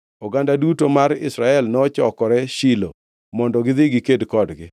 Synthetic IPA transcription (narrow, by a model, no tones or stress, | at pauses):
ɔɡandadutomaɾɪ̰sɾaɛlnɔt͡ʃɔkɔɾɛʃilo̰ | mɔndɔɡɪðɪɡɪkedkɔdɡɪ